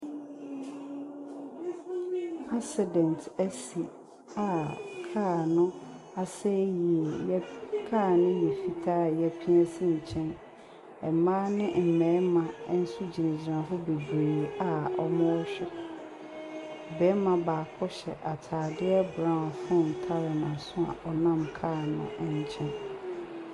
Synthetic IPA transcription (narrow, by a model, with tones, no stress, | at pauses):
a˦sɪ˨dɛ̃˨ntʰæ˦si˨ | a˨kʰa˦˨nʊ̃˦ | a˨sɛ˦ji˨˦kʰa˦˨nɪ̃˦ji˨fi˨tʰa˦˨jɛ˦pʰi˦ɛ˦sĩ˦ɲ̩˨t͡ɕʰɛ̃˦n | ɛ˨mã˦nɪ̃˦m̩˨mɛ̃˨˦mã˨˦n̩˦su˦d͡ʑi˨nɪ̃˨d͡ʑɾã˨ɦɔ˦be˨deː˨a˨ɔ˦mɔ̃˦ɔ˦ɕᶣɪ˦ | bɛ˨˦mã˨baː˨kʰɔ˦ɕɛ̰˨ʔa˨tʰaː˨dɪ˦ɛ˦bɾã˦˨fɔ̃˦˨n˨tʰa˦ɾɛ˨nã˨sʊ̃˦a̰˨ʔɔ˨nã˦˨mkʰaː˦˨nʊ̰̃˨ɛ˦ɲ˦t͡ɕʰɛ̃˦n